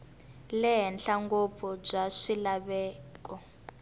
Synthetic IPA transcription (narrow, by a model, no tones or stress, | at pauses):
lɛɦɛnɬaŋɡob̪fɔb͡ʐaʂilaβɛːk̬ʼɔ